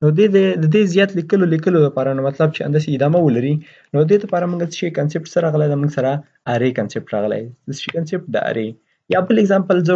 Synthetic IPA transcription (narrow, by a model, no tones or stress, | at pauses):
nod̪ed̪əd̪əd̪ezjɑt̪likəlolikəloləpɑɾanomat̪lab̚t͡ʃea̰nd̪ɑs̬eɪd̪ɑmawəlaɾi | nod̪əd̪ed̪əpɑɾamuŋɡat͡sə̥ʃekansep̚ʈsəɾɑɣəlajd̪amuɡsaɾa | aɾekansep̚ʈɾɑ̰ɣəla̰jd̪əsə̥ʃikansep̚ʈ̚d̪ə̰a̰ɾe | jɑbəlɪɡzɑmpəlzə